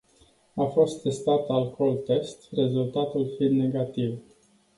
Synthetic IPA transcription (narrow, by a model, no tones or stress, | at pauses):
afo̞st̪ːe̞st̪at̪alkʰolt̪e̞st̪re̞zult̪at̪ulfind̪neɡat̪iv